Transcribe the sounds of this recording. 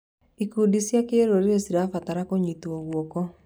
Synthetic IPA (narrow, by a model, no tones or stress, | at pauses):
ikuːdisjakeɾoɾeesiɾafataɾakoɲituoɣwɔkɔ